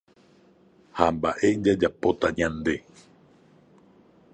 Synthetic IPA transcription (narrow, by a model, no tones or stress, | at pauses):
hambaʔe̞d͡ʒad͡ʒapo̞t̪aɲãnd̪e̞